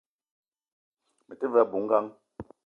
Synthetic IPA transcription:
mɛ˨te˦vɛ˦˨bu˨˦ŋ̩˦ɡa˦ŋ

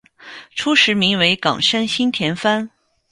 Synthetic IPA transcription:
ʈ͡ʂʰu˥ʂɻ̩˧˥mi˧˥ŋwe˧˥ɪkɑ̰˨˩ŋʂə˥nɕi˥nt̪ʰjɛ˧˥nfa˥n

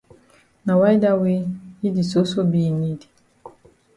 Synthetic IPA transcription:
na˨wa˦jda˦we˦i˦di˨so˦so˦bi˦˨ni˦di˨

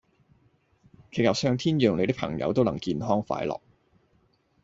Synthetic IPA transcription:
kʰe˨˧˩jɐ˨w̚sœː˧ŋt̪ʰiː˥njœː˨ŋle˨˧jt̪ɪ˥pʰɐ̰˨˩ŋjɐ̰˨˧wt̪o˥wnɐ˨˩ŋkiː˧nɦɔː˥ŋfa̰ː˨˥jlɔ̰ː˨˩k̚

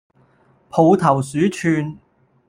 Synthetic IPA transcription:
pʰo˨˧wt̪ʰɐ˨˩wsyː˨˥t͡ʃʰyː˧n

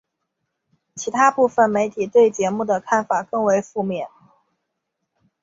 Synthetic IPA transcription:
t͡ɕʰi˧˥t̪ʰa˥pu˥˩fə˨˩nme˧˥ɪt̪ʰi˨˩t̪we˥˩ɪt͡ɕjɛ˧˥mu˥˩d̪ə˩kʰa˥˩nfa˨˩kɤ˥˩ŋwe˧˥ɪfu˥˧mjɛ˥˨˩n

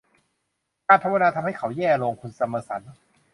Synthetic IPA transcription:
kaː˧npʰa˧˥wa˧naː˧t̪ʰa˧mha˥˩jkʰa˩˦wjɛː˥˩ɾoː˧ŋkʰu˧nsa˧mɤː˧sa˩˦n

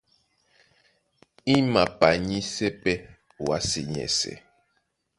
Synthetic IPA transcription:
i˦ma˨pa˨ɲi˦sɛ˦pɛ˦˨ | wa̰˦sḭ˨ɲɛ̰˨sɛ̰˨

